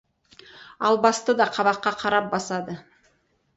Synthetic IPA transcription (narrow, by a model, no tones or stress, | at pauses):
ɑlˠbɑst̪əd̪ɑqʰɑβɑqːɑqʰɑɾɑp̚bɑsɑd̪ə